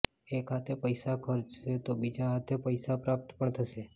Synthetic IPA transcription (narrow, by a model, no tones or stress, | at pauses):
ekʰat̪epəjsakʰəɾd͡ʒʃet̪obid͡ʒaɦat̪ʰepəjsapɾap̚t̪pəɳt̪ʰəʃe